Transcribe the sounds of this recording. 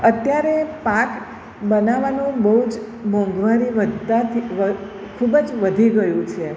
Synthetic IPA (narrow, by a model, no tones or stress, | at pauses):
ət̪jaɾepak | bənaʋanũbəɦud͡ʒ | mɔ̃ŋɡʋaɾiʋəd̪at̪ʰiʋə | kʰubd͡ʒʋəd̪ʱiɡəjũt͡ʃʰe